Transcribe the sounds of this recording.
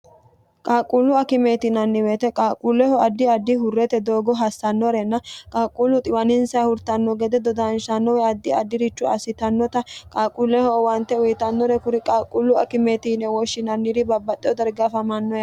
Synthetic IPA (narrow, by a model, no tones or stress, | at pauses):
kʼaːkʼːulːʊɐkɪmeːt̪ɪnɐnːɪweːt̪ɛkʼaːkʼulːɛhɔɐd̪ːɪɐd̪ːɪɦʊrːɛt̪ɛd̪o̞ːɡɔɦɐsːɐnːɔɾɛnːɐkʼaːkʼːulːʊt̪ʼɪwɐnɪnsɐɐhʊɾt̪ɐnːɔɡɛd̪ɛd̪ɔd̪anʃɐnːɔwɛɐd̪ːɪɐd̪ːɪɾɪt͡ʃːʊɐ̰sɪt̪ɐnːɔt̪ɐkʼaːkʼːulːɛhɔwɐnt̪ːɛʊjɪt̪ɐnːɔɾɛkʊɾɪkʼaːkʼːulːʊɐ̰kɪmeːt̪inɛwɔʃːɪnɐnːiɾɪbɐbːɐt̪ʼːɛɔd̪ɐɾɡɐfɐmɐnːɔjɐ